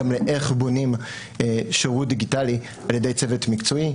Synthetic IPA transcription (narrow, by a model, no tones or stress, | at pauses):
amleʔeχbo̞nim | ʃoʁud̪iɡitali | aljede̞jt͡sevetmikt͡soi